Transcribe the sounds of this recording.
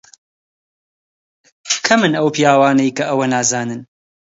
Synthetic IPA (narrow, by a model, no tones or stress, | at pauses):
kʰɐmɨnɐwpijaːwaːnɐjkʰɐʔɐwɐnaːzaːnɨn